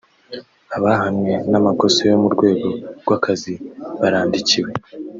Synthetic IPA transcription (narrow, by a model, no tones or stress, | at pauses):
aβahamɲe̞namako̞sojo̞muɾɡwe̞ːɡo̞ɾɡwakaziβaɾaːndiciwe̞